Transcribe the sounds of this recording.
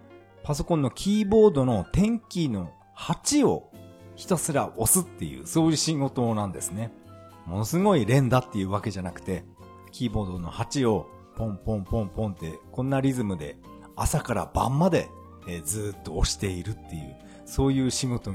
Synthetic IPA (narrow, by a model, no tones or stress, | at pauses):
paso̞kõnːo̞kʲʰiːbo̞ːd̪o̞no̞t̪ẽ̞ŋkʲino̞ | hat͡ɕio̞̰çi̥t̪osɨɾaʔo̞sɨt̪ːe̞jɯ̰ːso̞ːjɯ̟ːɕiŋo̞t̪o̞nãnd̪e̞sɨne̞ | mo̞no̞sɨɡo̞iɾẽ̞nd̪at̪ːe̞jɯ̟ːβake̞ʑanakɯ̟̥t̪e̞ | kʲiːbo̞ːd̪o̞no̞̰hat͡ɕio̞ | põ̞mpõ̞mpõ̞mpõ̞nt̪e̞kõ̞nːaɾʲizɨmɯ̟d̪e̞̰ | asakaɾa̰bã̰mːad̪e̞̰ | d͡zɨːt̪ːo̞ːɕi̥t̪e̞iɾɯ̟t̪ːe̞jɯ̟̰ː | so̞ːjɯ̟ːɕiɡo̞t̪o̞